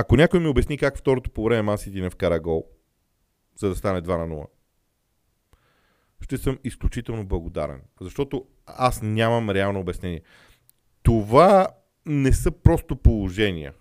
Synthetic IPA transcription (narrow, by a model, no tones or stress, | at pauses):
ɐkonʲakojmiobɛsnikakft̪ɔɾot̪o̥povɾɛmɛmasit̪inɛfkɐɾɐɡɔlˠ | z̥ɐd̪ɐst̪anɛd̪vanɐnṵlˠə̰ | ʃt̪ɛsɤmisklʲut͡ʃit̪ɛlˠnoblˠɐɡod̪a̰ɾɛ̰nzɐʃt̪ɔt̪o | asnʲamɐmɾɛalˠnoːbɛsnɛniɛ | t̪ova | nɛsɤpɾɔst̪opolˠoʒɛnḭə̰